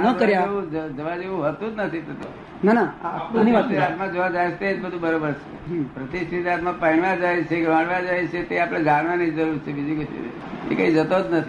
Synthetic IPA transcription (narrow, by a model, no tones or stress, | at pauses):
nəkəɾjaeʋũd͡ʒəd͡ʒəʋad͡ʒeʋũɦət̪ũd͡ʒnət̪ʰit̪ʰət̪i | nanaaãniʋaeat̪mãd͡ʒoʋad͡ʒajt͡ʃ̪ʰeːd͡ʒbəd̪ʱũbəɾobəɾt͡ʃʰepɾət̪iʃʈʰit̪at̪mãpəiɳʋãd͡ʒajt͡ʃʰeɡʋãɽʋãd͡ʒajet͡ʃʰet̪eapɽ̃ed͡ʒaɽʋanid͡ʒd͡ʒəɾuɾt͡ʃʰebid͡ʒikuʃḭ | ḛkaid͡ʒət̪od͡ʒnət̪ʰi